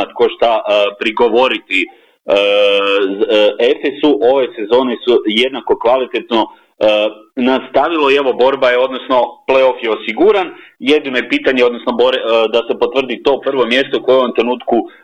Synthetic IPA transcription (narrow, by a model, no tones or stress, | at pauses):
at̪ko̞ʃt̪apɾiɡo̞ʋo̞ɾit̪i | ze̞fesuʔo̞ʋe̞se̞zo̞ːnesuje̞d̪nako̞kʋalit̪e̞t̪no̞ | nast̪aʋilˠo̞ieʋo̞bo̞ɾbajeo̞d̪nosno̞pleo̞fjeosiɡuɾanjed̪ino̞jepiːt̪aɲeo̞d̪nosno̞boɾed̪ase̞po̞t̪ʋr̩d̪it̪o̞ːpr̩ʋo̞mje̞st̪oukojeoʋomt̪ɾe̞nuːt̪ku